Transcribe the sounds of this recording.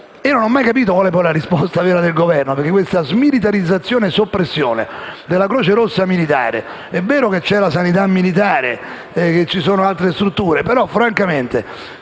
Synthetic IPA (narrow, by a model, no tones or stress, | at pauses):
iːononɔmːajkapiːt̪̬okwaːlepɔjlaɾispɔst̪avɛːɾad̪elɡovɛrnopeɾk̟ekwest̪azmilit̪̬aɾid̪zːat̪sːjoːneɛsopːɾesːjoːnḛd̪elːakɾoːt͡ʃeɾosːamilit̪a̰ːɾḛ | ɛvːɛːɾoket͡ʃːɛlasanit̪̬amːilit̪̬aːɾḛ | ɛket͡ʃːisoːnoalt̪ɾest̪ɾut̪ːuːɾepeɾɔfɾaŋkament̪e